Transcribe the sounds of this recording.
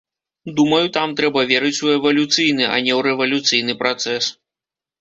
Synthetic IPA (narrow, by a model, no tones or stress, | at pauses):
d̪umɐjut̪amt̪ɾɛbɐvʲɛɾɨt͡sʲuɛvɐlʲut̪sɨjnɨɐ̰nʲɛwɾɛvɐlʲut̪sɨjn̪ɨpɾat̪sɛs